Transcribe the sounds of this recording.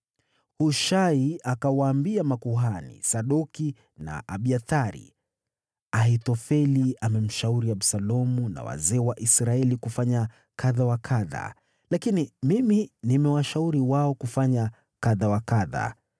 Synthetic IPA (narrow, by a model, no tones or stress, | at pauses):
huʃaiakawaːmbiamakuɦanḭsaɗuki | na̰ʔaɓiaθaɾḭ | ahitɔfɛliamɛm̩ʃauɾiaɓsalɔmuna̰wa̰zɛːwaʔisɾaɛlikufaɲa | kʰaðawakʰaða̰ | lakinimiminimɛwaʃauɾiwaɔkufaɲa | kaðawakaða̰